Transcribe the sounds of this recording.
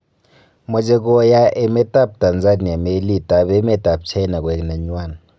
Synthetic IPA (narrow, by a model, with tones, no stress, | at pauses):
mɔ˨t͡ʃʼɛ˦k̬ɔ˦ja˦ʔɛ˦˨mɛ˦tʼa˦˨p̚ta˨nd͡za˦ni˨a˨me˦li˦˨tʼa˨ɓɛ˦mɛ˦tʼa˨b̚t͡ʃʰɛ˦na˨k̬ʼwɛ˨na˨ɲwaː˦˨na